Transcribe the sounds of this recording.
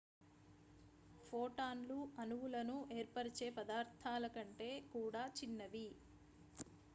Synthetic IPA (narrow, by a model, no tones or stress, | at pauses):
pʰoːʈaːnluʔɐnuwulɐnuʔeːɾpɐɾit͡ʃeːpɐd̪aːɾt̪ʰaːlɐkɐɳʈe̞ːkuːɽaːt͡ʃinːɐʋi